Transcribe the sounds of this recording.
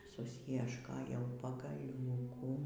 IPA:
sʊsʲjiɛʃˈkoːjɛʊ pɐɡɐˈlʲuːkuː

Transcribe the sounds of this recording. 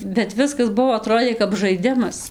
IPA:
bʲɛt ˈʋʲɪskɐs ˈbuɔ ɐˈtroːdʲeː kɐp ʒɐɪˈdʲɪmɐs

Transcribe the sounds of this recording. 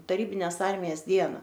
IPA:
tɐˈrʲiːbʲɪnʲeːs ˈɐrʲmʲɪjɛs ˈdʲiɛnɐ

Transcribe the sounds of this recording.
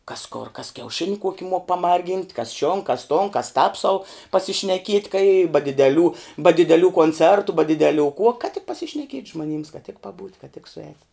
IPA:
kɐs koːr kɐs kʲɛʊˈʃʲɪnʲɪ ˈkuɔkʲɪ muɔk pɐˈmɐrʲɡʲiːnʲtʲ kɐs ʃʲoːn kɐs toːn kɐs tɑːp sɐʊ pɐsʲɪʃʲnʲɛˈkʲiɛtʲ kɐɪ ɪ bɐ dʲɪdʲɛˈlʲuː bɐ dʲɪdʲɛˈlʲuː koːnʲt͡sʲɛrtʊ bɐ dʲɪdʲɛˈlʲuː kuɔ kɐt tʲɪk pɐsʲɪʃʲnʲɛˈkʲiɛtʲ ʒmoːˈnʲiːms kɐt tʲɪk pɐˈbuːtʲ kɐt tʲɪk sʊˈɛːtʲ

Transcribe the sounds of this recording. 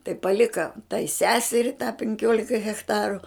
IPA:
tɐɪ pɐˈlʲɪkɐ tɐɪ ˈsʲæːsʲɛrʲɪ tɑː pʲɛŋʲˈkʲoːlʲɛ ɣʲɛxˈtɑːrʊ

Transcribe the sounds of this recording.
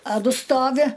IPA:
ɐ ˈdʊ ˈstoːʋʲɪ

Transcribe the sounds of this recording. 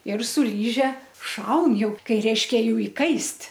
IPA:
ɪr sʊ ˈlʲiːʒʲɛ ˈʃɐʊn ˈjɛʊ ˈkɐɪ ˈrʲɛɪʃʲkʲɛ ˈjuː ɪˈkɐɪsʲtʲ

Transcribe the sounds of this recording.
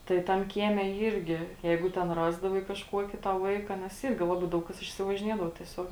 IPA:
ˈtɐɪ tɐm ˈkʲiɛmʲɛ ˈiːrʲɡʲɪ ˈjɛɪɡʊ ˈtʲɛn ˈrɑːzdɐʋɐɪ kɐʃˈkuɔkʲɪ tɐ ˈʋɐɪkɐ nʲɛs ˈiːrʲɡʲɪ ˈlˠɑːˌbɐɪ ˈdɐʊk ˌkɐs ɪʃʲsʲɪʋɐʒʲɪˈnʲiɛdɐʋoː tʲiɛˈsʲoːk

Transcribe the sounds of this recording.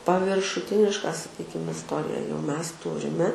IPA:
pɐʋʲɪrʃʊˈtʲɪnʲɪʃkɐ sɐˈkʲiːkʲɪm ɪsˈtoːrʲɪjɛ jɛʊ mʲɛs ˈtʊrʲɪmʲɛ

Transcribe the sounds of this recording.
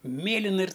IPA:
ˈmʲeːlʲɪnɐ ɪr

